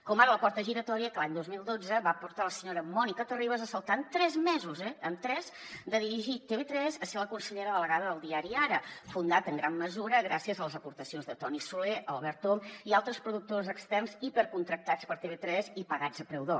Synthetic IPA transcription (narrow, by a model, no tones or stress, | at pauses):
kɔmaɾələpɔɾt̪əʒiɾət̪ɔɾiəkəlaɲd̪ozmilˠd̪od͡zəβapuɾt̪aləsəɲoɾəmɔnikət̪əriβ̞əzəsəlˠt̪ant̪ɾɛzmɛzuzɛəmt̪ɾɛzd̪əðiɾiʒit̪eβet̪ɾɛzəseɾləkunsəʎeɾəðələɣaðəðəlˠd̪iaɾiaɾəfund̪at̪əŋɡɾamːəzuɾəɣɾasiəzələzəpuɾt̪əsionzðət̪ɔnisuleʔəlˠβɛɾt̪omialˠt̪ɾəspɾuðuk̚t̪ozəkst̪ɛrnzipəɾkunt̪ɾək̚t̪at͡spəɾt̪eβet̪ɾɛzipəɣad͡zəpɾɛwðo